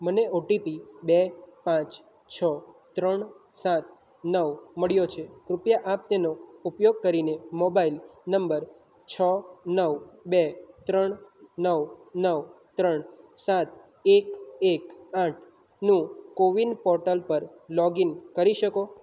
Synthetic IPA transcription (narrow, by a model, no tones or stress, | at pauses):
məneoʈipibepãt͡ʃ | t͡ʃʰət̪ɾəɳ | sat̪̚ | nəʋməɭjot͡ʃʰekɾʊpjaʔap̚t̪enoupjoɡ̚kəɾinemobailnəmbəɾ | t͡ʃʰənəʋbet̪ɾəɳnəʋnəʋt̪ɾəɳsat̪̚ | ekekaʈʰ | nũkoʋinpɔɾʈəlpəɾ | lɔɡinkəɾiʃəko